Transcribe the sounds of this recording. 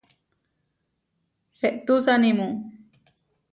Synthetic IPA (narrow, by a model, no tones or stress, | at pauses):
heʔt̪usanĩmũ